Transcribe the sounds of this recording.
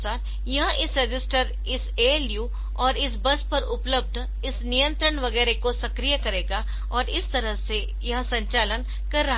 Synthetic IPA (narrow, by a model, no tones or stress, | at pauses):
saːɾ | jɐɦãʔɪsɾɐd͡ʒɪsʈəɾ | ɪseːljuː | ɔːɾɪsbɐspɐɾʊpləb̚d̪ | ɪsnijə̃nt̪ɾəɽʋɐɡɛːɾekosɐkɾijəkɐɾeːɡa | ɔːɾɪst̪ɐɾəɦse | jɐɦãsɐ̃ɲt͡ʃaːlən | kɐɾːaɦ